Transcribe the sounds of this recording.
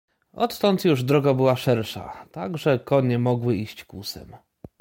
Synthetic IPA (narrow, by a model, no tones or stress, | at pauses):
ʔɔt̪ːɔnt̪juʐd̪ɾɔɡabɘwaʂɛɾʂa̰t̪aɡʐɛkɔɲɛmɔɡwɘiɕt͡ɕkusɛ̰m